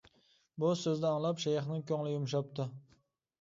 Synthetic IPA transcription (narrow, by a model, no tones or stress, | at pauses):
bʊsɵzd̪ɛɑŋlˠɑpʃajχnɪŋkʲʰoŋlˠɪjʊmʃɑp̚t̪ʊ